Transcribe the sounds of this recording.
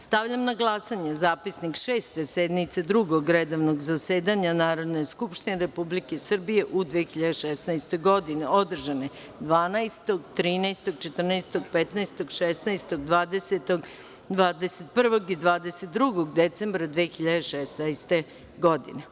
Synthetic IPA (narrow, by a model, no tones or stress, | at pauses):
st̪aʋʎamnaɡlˠasaɲezaːpisnikʃeːst̪esed̪nit̪sed̪ɾuɡoɡɾed̪oʋnoɡzaseːd̪aɲanaːɾo̞d̪ne̞skupʃt̪ineɾepublikesr̩bije̞ʔud̪ʋexiʎad̪eʃesnaest̪o̞jɡo̞d̪ineo̞d̪r̩ʒane̞ | d̪ʋaːnajst̪o̞ɡt̪ɾiːnajst̪o̞ɡ̚t͡ʃet̪r̩nast̪o̞ɡpet̪naest̪oɡʃesnajst̪oɡd̪ʋaːd̪eset̪oɡ | d̪ʋaːd̪eset̪̚pr̩ʋo̞ɡid̪ʋaːd̪eset̪̚d̪ɾuɡoɡd̪et̪se̞mbɾad̪ʋexiʎad̪eʃesnajst̪e̞ | ɡo̞d̪ḭne